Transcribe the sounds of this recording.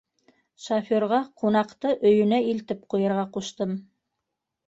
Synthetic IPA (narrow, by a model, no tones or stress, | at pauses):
ʃafʲoɾʁɑqunɑqt̪ɤʔɵ̆jɵ̆næilt̪ɘp̚qujɤ̆ɾʁɑquʃt̪ɤm